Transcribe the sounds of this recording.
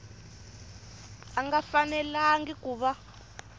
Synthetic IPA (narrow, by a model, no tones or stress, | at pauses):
aŋɡafanɛlaŋɡikuːβa